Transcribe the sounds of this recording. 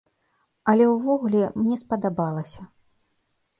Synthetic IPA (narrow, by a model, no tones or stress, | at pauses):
ɐlʲɛwvɔɣulʲɛmnʲɛspɐd̪abalˠɐsʲɐ